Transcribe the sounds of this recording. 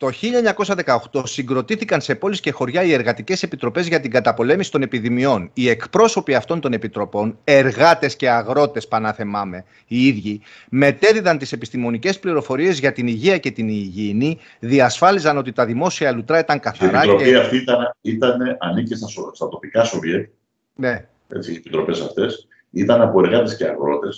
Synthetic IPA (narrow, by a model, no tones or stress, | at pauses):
t̪o̞çiʎɐeɲɐko̞sɐðe̞kɐo̞xt̪o̞siŋɡɾo̞t̪iθikɐnse̞po̞lisce̞xo̞ɾʝɐie̞ɾɣɐt̪ice̞se̞pit̪ɾo̞pe̞zʝɐt̪iŋɡɐt̪ɐpo̞le̞misi̥t̪o̞ne̞piðimio̞nie̞kpɾo̞so̞piɐft̪o̞nt̪o̞ne̞pit̪ɾo̞po̞ne̞ɾɣɐt̪e̞sce̞ɐɣɾo̞t̪e̞spɐnɐθe̞mɐme̞ | iiðʝi | me̞t̪e̞ðiðɐnt̪ise̞pist̪imo̞nice̞spliɾo̞fo̞ɾie̞zʝɐt̪iniʝiɐce̞t̪iniʝini | ðiɐsfɐlizɐno̞t̪it̪ɐðimo̞siɐlut̪ɾɐit̪ɐŋkɐθɐeɾɐɾoiɐft̪iit̪ɐnit̪ɐne̞ʔɐnicest̪ɐsost̪ɐt̪o̞pikɐso̞viek | ne | e̞̰t͡siepit̪ɾo̞pe̞sɐft̪e̞s | it̪ɐnɐpo̞e̞ɾɣɐt̪e̞sceɐ̰ɣɾo̞t̪e̞s